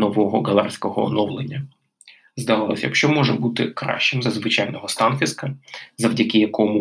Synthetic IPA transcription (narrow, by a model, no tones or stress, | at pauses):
nɔʋɔɦɔɡɐlˠarsʲkɔɦɔɔ̰nɔwlˠenʲːɐ | zd̪ɐʋɑlˠɔ̰sʲjɐ̰kʃt͡ʃɔmɔʒɛbut̪ɪkɾɑ̰ʃt͡ʃɪmzɐzʋɪt͡ʃɑjnɔɦɔst̪ɑnfʲiskɐzɐwdʲɐkɪjɐkɔmʊ